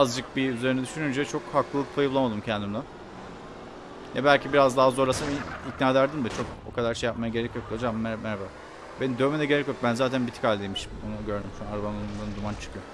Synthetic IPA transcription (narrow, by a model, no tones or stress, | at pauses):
azd͡ʒɯk̚biyzeɾinɛd̪yʃynynd͡ʒɛt͡ʃʰo̞khaklˠɯlˠɯk̚pʰajɯblˠamad̪ɯmcʰɛnd̪imd̪a | jabælʲcibiɾazd̪aɦazo̞ɾlˠasɯniicnaːlʲæɾd̪ind̪ɛt͡ʃʰo̞k̚o̰kʰad̪aɾʃejap̚majaɟe̞ɾɛcjo̞k̚d̪od͡ʒammːɛɾmɛɾabaː | benid̪ømed̪ɛɟeɾɛcjo̞k̚bænzaːt̪ʰænbit̪ʰi̥kalʲd̪ʲejmiʃi̥monuɟøɾd̪ymsnaɾvanound̪and̪umant͡ʃʰɯ̥kʰyjo